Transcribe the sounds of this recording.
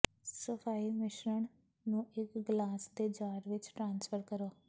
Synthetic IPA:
səpʰaːiːmɪʃɾəɳ | nũːɪkɡlaːsd̪eːd͡ʒaːɾʋɪt͡ʃʈɾãːnsfʰəɾkəɾoː

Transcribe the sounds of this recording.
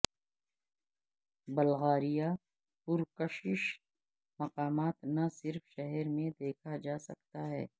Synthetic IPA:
bɐlɣaːɾija | pʊɾkəʃɪʃ | mɐqaːmaːt̪nasɪɾfʃɛɦɛɾmẽd̪eːkʰad͡ʒaːsɐk̚t̪aɦɛ̰ː

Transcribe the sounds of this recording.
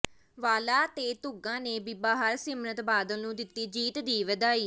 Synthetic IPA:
ʋaːlaːt̪eːt̪ʊɡãːneːbɪbaːɦəɾsɪmɾət̪baːd̪əlnũːd̪ɪt̪ːiːd͡ʒiːt̪d̪iːʋəd̪aːiː

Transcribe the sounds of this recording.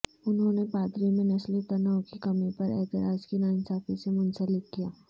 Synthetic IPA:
ʊnɦõnepaːd̪ɾimẽnɐslot̪ɐnaːwkikɐmipɐɾɛ̰ːt̪ɪɾaːd͡ʒkinaːnsaːfʰisemʊ̃nsəlɪt̪̚kijaː

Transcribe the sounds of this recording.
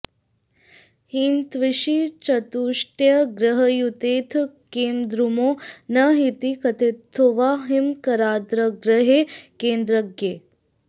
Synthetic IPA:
hint̪ʋiʃit͡ʃɐt̪uːʂʈjɐɡɾɐɦɐjut̪eːt̪ʰkeːmd̪ɾumoːnɐɦit̪ikɐt̪it̪ʰːuʋaːɦimkɐɾaːd̪ɾɐɡɾɐɦeːkeːnd̪ɾɐɡjeː

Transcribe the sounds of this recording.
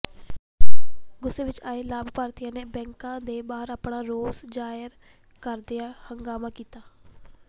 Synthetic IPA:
ɡʊseːʋɪt͡ʃaːeːlaːbpaːɾt̪ɪjãːneːbɛ̃ːŋkãːd̪eːbaːəɾaːpɳaːɾoːsd͡ʒaːjəɾ | kəɾd̪ɪjãːhəŋɡaːmãːkiːt̪aː

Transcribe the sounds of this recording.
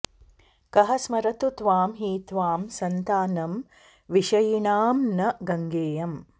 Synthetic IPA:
kɐɦɐsmɐɾɐt̪ut̪ʋaːmɦiːt̪ʋaːmsɐnt̪aːnɐm | ʋiʃɐjiɳaːmnɐɡɐŋɡeːjɐm

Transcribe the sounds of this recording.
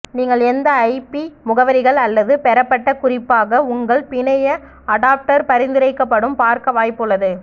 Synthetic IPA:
niːŋɡɐɭɛnd̪ɐɐɪpimʊɣɐʋɐɾɪɣɐɭɐlːɐðɯpɛɾɐpːɐʈːɐkʊrɪpːaːɣɐʊŋɡɐɭpɪɳɐjɐ | ɐɽaːp̚ʈɐɾpɐɾɪnd̪ɪɾɐɪkːɐpːɐɽɯmpaːɾkɐʋaːjpːɯɭːɐðɯ

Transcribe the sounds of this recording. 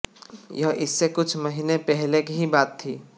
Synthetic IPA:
jɐɦɪsːekʊt͡ʃʰmɐɦinepɛɦlekɦibaːt̪ʰːiː

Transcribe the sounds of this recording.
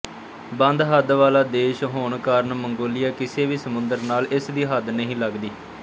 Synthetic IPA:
bə̃nd̪ɦəd̪ʋaːlaːd̪eːʃɦoːɳkaːɾnməŋɡoːlɪjaːkɪseːʋiːsəmʊnd̪əɾnaːlɪsd̪iːɦəd̪nəɦĩːləɡd̪iː

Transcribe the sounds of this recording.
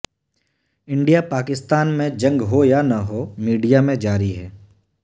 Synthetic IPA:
ɪ̃ɳɖijapaːkɪst̪aːnmẽd͡ʒɐ̃ŋɡɦojanɐɦomiːɖijamẽd͡ʒaːɾiɦɛː

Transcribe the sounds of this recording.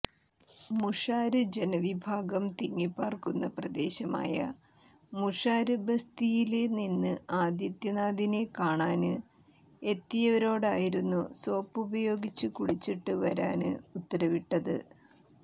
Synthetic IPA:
muʂaːɾɨd͡ʑe̞nɐʋibʱaːɡɐmt̪iŋːipːaːrkunːɐprɐd̪e̞ːɕɐma̰ːjɐ̰ | muʂaːɾɨbɐst̪ijileninːɨaːd̪jɐt̪jɐnaːd̪inekaːɳaːnɨ | e̞t̪ːijɐʋɐɾo̞ːɽaːjiɾunːuso̞ːpːubɐjo̞ːɡit͡ɕːukuɽit͡ɕːiʈːɨʋɐɾa̰ːnɨut̪ːɐɾɐʋiʈːɐðɨ̰

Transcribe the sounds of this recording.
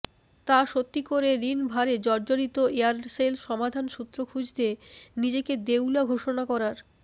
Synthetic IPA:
t̪aʃot̪ːikoɾeɾinbʱaɾed͡ʑɔɾd͡ʑoɾit̪oeaɾselʃɔmad̪ʱanʃut̪ːɾokʰud͡ʑd̪enid͡ʑeked̪ewlaɡʱoʃonakɔɾaɾ

